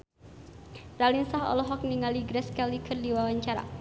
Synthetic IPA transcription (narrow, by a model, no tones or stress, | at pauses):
ralinsaɦɔ̰lɔɦɔk̚niŋaliɡɾɛskalikʰɨrdiwawaɲt͡ʃaɾa̰